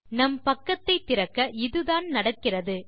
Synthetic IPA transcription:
nɐmpɐkːɐt̪ːɐɪt̪ːɪrɐkːɐʔɪðɯðaːnnɐɽɐkːɪrɐðɯ

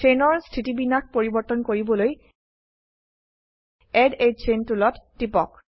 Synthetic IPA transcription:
enɔɹstʰitibinak̚poɹibɔɹtɔnkoɹibɔloj | ɛded͡ʒt͡ʃentulɔtːipɔk̚

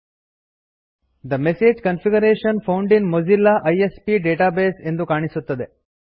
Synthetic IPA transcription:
d̪ɐmeseːd͡ʒkɐnfiɡɐɾeːʃɐnpʰɐwɳɖinmod͡ʒilːaʔɐjespiɖeːʈaːbeːse̞nd̪ukaːɳisut̪ːɐd̪e

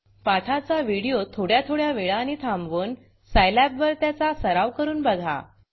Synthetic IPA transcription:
paʈʰat͡saʋiɽijot̪ʰoɽjat̪ʰoɽjaʋeɭanit̪ʰamʋuːn | sajlæpʋəɾt̪jat͡sasəɾaʋkəɾuːnbəɡʱa̰

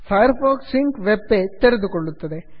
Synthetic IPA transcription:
fɐjɐɾfaːksɪŋkʋɛbːeːt̪ɛɾɐnd̪ɯkɔɭːɯt̪ːɐðe

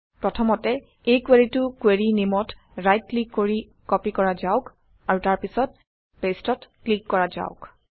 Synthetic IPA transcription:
pɹɔtʰɔmɔtɛ | ejkweɹitʊkweɹinimɔt | ɹajt̚klikːoɹi | kɔpikɔɹazaʊk | aɹutaɹpisɔt̚ | pestɔtklikːɔɹaza̰ʊk

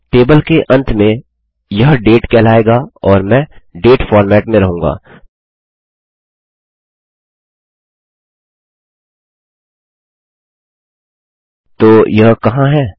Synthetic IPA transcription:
ʈeːbəlkeʔɐ̃nt̪ʰmẽ | jɐɦɖeːʈkɛːlaːeːɡaːɔːɾmɛ̃ːɖeːʈfɔːɾmɛːʈmẽɾɐɦũːŋɡa̰ː | t̪oːjɐɦkɐɦãɦɛː

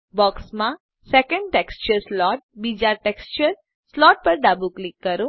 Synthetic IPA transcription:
bɔksmã | sɛkə̃ɳɖʈekst͡ʃəɾslɔʈ̚bid͡ʒaɾʈekst͡ʃəɾ | slɔʈ̚pəɾɖabuklikːəɾo

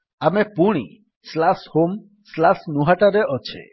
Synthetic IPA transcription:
amepuɽ̃ḭ | slashom | slasnuɦaʈaɾeʔɔt͡ʃʰḛ

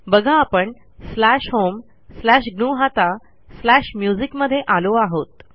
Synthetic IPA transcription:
bəɡʱãːpəɳ | slæɕɦom | slæɕɡnuɦat̪a | slæɕmjud͡zikməd̪ʱːjeʔaloaɦot̪

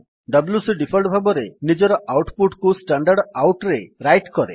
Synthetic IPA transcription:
ɖʌbljusiɖipʰelɖbʱabɔɾenid͡ʒɔɾɔʔawʈpuʈkusʈaɳɖaɾɖawʈɾeɾajʈkɔɾḛ

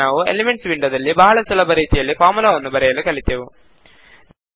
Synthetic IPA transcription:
aːʋuḛlemeɳʈsʋiɳɖɐd̪ɐlːibaːɐɭɐsɐlɐbɐɾiːt̪ijɐlːifaːɾmulaːʋɐnːubɐɾɛjɐlːukɐɭit̪ːjɐʋu

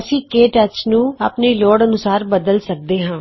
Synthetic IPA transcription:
sikeːʈɐt͡ʃnũːɐpnilɔːɽɐnʊsaːɾbɐd̪əlsɐk̚d̪eːɦãː

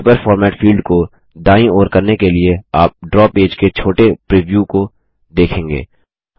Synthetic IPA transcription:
pəɾfɔːɾmɛːʈfiːlɖko | ɖaːĩoːɾkɐɾnekelieaːp̚ɖɾɔːpeːd͡ʒket͡ʃʰoːʈepɾiːʋjuko | d̪eːkʰẽːŋɡḛː

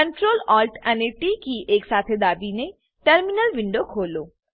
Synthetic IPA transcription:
kə̃ɳʈɾoːlɔːlʈɛneʈikiʔeːksaːt̪ʰed̪aːbine | ʈəɾmɪnəlʋɪ̃ɳɖokʰoːloː

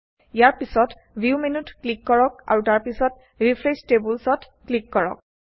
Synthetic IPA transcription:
ijaɹpisɔt | biuminutklikːɔɹɔk̚a̰ɹutaɹpisɔt̚ | ɹipʰɹestebulsɔt | klikːɔɹɔ̰k̚

